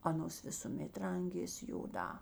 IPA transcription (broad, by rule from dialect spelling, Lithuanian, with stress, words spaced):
ˈɑːnoːs ʋʲɪsʊˈmʲeːt ˈrɐŋʲɡʲeːsʲ joːˈdɑː